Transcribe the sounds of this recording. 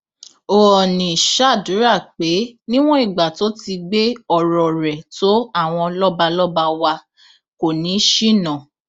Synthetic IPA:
o˨ɔ˨nĩ˨ʃa˦˨du˨˦ɾa˦˨k͡pe˨˦nĩ˦w̃ɔ̃˦i˦˨ɡ͡ba˨to˨˦ti˧ɡ͡be˦ɔ˦˨ɾɔ˨ɾɛ˨to˨˦a˦˨w̃ɔ̃˧lɔ˦ba˧lɔ˦ba˧wa˧ | ko˨nĩ˨˦ʃi˦˨nã˨

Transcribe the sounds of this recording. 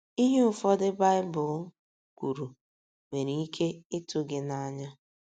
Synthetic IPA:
i˦ɦe˦ʊ˨fɔ˦dɪ˦ba˦ɪ˦bʊ˨˦ | kʷu˨ɾu˨ | me˨ɾi˨i˦kʰe˦ɪ˦tʊ˦ɡɪ˨na˦ɲa˦

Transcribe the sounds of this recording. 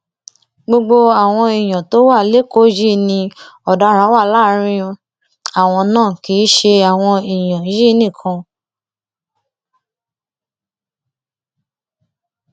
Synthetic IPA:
ɡ͡bo˧ɡ͡bo˧a˨w̃ɔ̃˧i˨j̃ã˨to˨˦wa˦˨le˦ko˦d͡ʒi˦nĩ˧ɔ˨da˨˧˦ɾ̃ã˨˦wa˦˨˦la˦ɾ̃ĩ˧ | a˨w̃ɔ̃˧nãː˦˨ki˨˦ʃe˧a˨w̃ɔ̃˧i˨j̃ã˨˦ji˦nĩ˦˨kʰã˧

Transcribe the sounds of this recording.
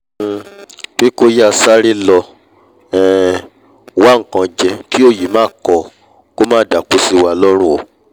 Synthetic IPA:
k͡pe˦ko˦ja˦˨sa˦ɾi˦lɔ˧ | ɛ˨ | wa˦ŋ̩˨kã˧d͡ʒɛ˧ki˦o˦˨ji˨˦mãː˦˨kɔ˧ | ko˦mãː˦˨da˨ku˨˦si˧wa˧lɔ˦ɾ̃ũ˦˨o˨

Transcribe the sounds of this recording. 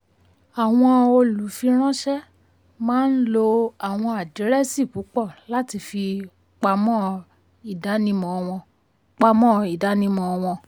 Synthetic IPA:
a˨w̃ɔ̃˧o˧lu˨fi˧ɾ̃ɔ̃˦ʃɛ˦ | mãː˦n̩˦lo˧a˨w̃ɔ̃˧a˨di˨˦ɾɛ˦si˦˨ku˨˦k͡pɔ˦˨la˦ti˧fi˧ | k͡pa˧mɔ̃˦ | i˦˨da˨˦nĩ˦mɔ̃˨˧ɔ̃˧ | k͡pa˧mɔ̃˦˧i˨da˨˦nĩ˦mɔ̃˧w̃ɔ̃˧

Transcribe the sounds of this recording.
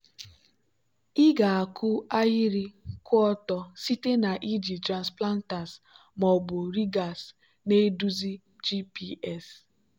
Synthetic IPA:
ɪ˦ɡa˨a˨kʊ˦a˦ji˦ɾi˦kʊ˦ɔ˦tɔ˨si˦te˦na˨ʔi˦d͡ʒi˨tɾa˨nspla˦n˦ta˨s | mɔ˨bʊ˨ɾi˦ɡa˨s | ne˦du˦zi˦ | d͡ʒi˦pi˦ɛ˦˨s

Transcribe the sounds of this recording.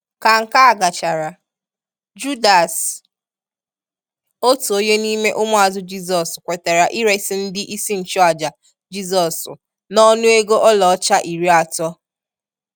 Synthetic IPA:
ka˨ŋ̩˨ka˦a˨ɡa˨t͡ʃa˨ɾa˨ | d͡ʒu˦da˨s | o˦tu˨o˦ɲe˦ni˦me˦ʔʊ˦mʊ˦a˨zʊ˦d͡ʒi˦zɔ˨skʷe˨te˨ɾa˨ʔi˦ɾe˦sɪ˦n̩˦dɪ˦ʔi˦si˦n̩˨t͡ʃɔ˦a˨d͡ʒa˨ | d͡ʒi˦zɔ˨sʊ̰˨ | nɔ˦nʊ˦e˦ɡo˦ʔɔ˦lɔ˨ɔ˦t͡ʃa˦ʔi˨ɾi˦a˨tɔ˦

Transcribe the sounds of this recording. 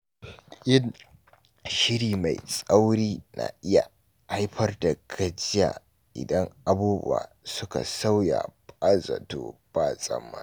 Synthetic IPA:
ʔɪ˦n | ʃɪ˦ɽiː˨ma˨jsʼa˦wɽiː˦na̰˨ʔɪ˦ja˨ | ha˦jɸɐ˦rda˨ɡɐ˦d͡ʒɪ˦jaː˨ | ʔɪ̰˨dɐ˦ŋʔa˨buː˦bʊ̰˦wa̰ː˨ | sʊ˦ka̰˨sa˦wja̰˨pʼa˦za̰˨toː˨b̥aː˦˨sʼɐ˦mːa̰˦

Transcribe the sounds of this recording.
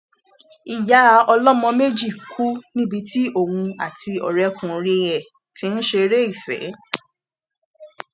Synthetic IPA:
i˨ja˨˦˨ɔ˧lɔ˦mɔ̃˧me˦d͡ʒi˦˨kʰu˦nĩ˦bi˧ti˦o˦˨wũ˧a̰˨ti˧ɔ̰˨ɾɛ˨˧kũ˨ɾe˧ɛ˨ | ti˨˦n̩˦ʃe˧ɾe˦i˦˨fɛ̰˨˦

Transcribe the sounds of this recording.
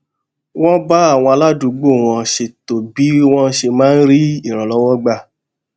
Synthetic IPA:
w̃ɔ̃˦ba˦a˦˨w̃ɔ̃˧a˧la˦˨dũ˨˧˦ɡ͡bo˦˨w̃ɔ̃˧ʃe˧to˨bi˨˦w̃ɔ̃˦ʃe˧mãː˦n̩˦ɾi˦i˦˨ɾ̃ɔ̃˨lɔ˦wɔ˦ɡ͡ba˦˨

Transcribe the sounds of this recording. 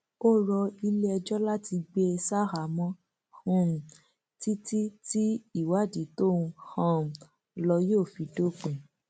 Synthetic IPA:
o˦ɾɔ˧i˧le˦ɛ˧d͡ʒɔ˦la˦ti˧ɡ͡be˦ɛ˧sa˦ɾa˨mɔ̃˦ | hũ˦ũ˨ | ti˦ti˦ti˦i˦˨wa˨˦˨di˨˦to˦˨ũ˧hã˦ũ˨ | lɔ˧jo˦˨fi˨do˦k͡pũ˨

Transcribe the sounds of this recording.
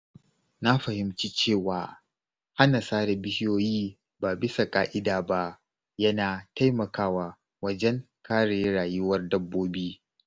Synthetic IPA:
na˦ɸɐ˨hɪ˨mt͡ʃiː˦t͡ʃeː˦˨waː˨ | ha˦na˨saː˦ɽe˨bɪ˦hjoː˦jiː˦ | baː˨bɪ˦sa˨kʼaː˦ʔɪ˦daː˨ba˦ʔ | jɐ˦naː˨ta˦jmɐ˨kaː˦waː˨ | wɐ˦d͡ʒɛ˦ŋ | kʰaː˦ɽe˨˦ɽaː˨jʊ˦wɐ˦rdɐ˦bːoː˦biː˦

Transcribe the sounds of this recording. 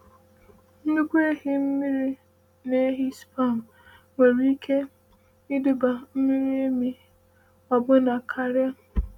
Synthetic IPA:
n̩˦nu˦kʷe˦ɦi˦m̩˦mi˦ɾi˦ | ne˦ɦi˦spa˦˨n˨ | ŋʷe˨ɾi˦i˦kʰe˦ | ɪ˦du˨ba˨m̩˦mi˦ɾi˦e˦mi˦ | ɔ˨bʊ˦na˨kʰa˦ɾɪ˦a˦

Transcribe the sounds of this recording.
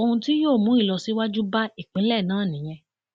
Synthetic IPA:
o˧hũ˧ti˦joː˦˨mũ˨˦i˦˨lɔ˧si˨˦wa˦d͡ʒu˦ba˦i˦˨k͡pĩ˨˦lɛ˦˨nãː˨˦˨nĩ˨˦j̃ɛ̃˧

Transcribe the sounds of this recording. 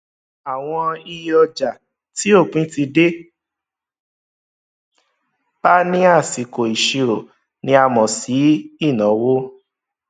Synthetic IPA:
a˨w̃ɔ̃˧i˧jɔ˧d͡ʒa˨ | ti˨˦o˦˨k͡pĩ˦ti˧de˦ | b̥a˦nĩ˦a˦˨si˨ko˨i˨ʃi˧ɾo˨ | nĩ˧˦a˧mɔ̃˨si˨˦i˦˨nɔ̃˨˦wo˦

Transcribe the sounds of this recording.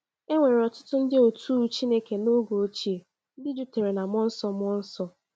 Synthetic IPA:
e˦ŋʷe˨ɾɔ˨tʊ̥˦tʊ˦n̩˦dɪ˦o˨tu˦u˦t͡ʃi˦ne˦ke˨no˦ɡo˨˦t͡ʃi˦e˨˦ | dɪ˦d͡ʒu˦te˨ɾe˨na˨mɔ˦n̩˦sɔ˦mɔ˦n̩˦sɔ˦

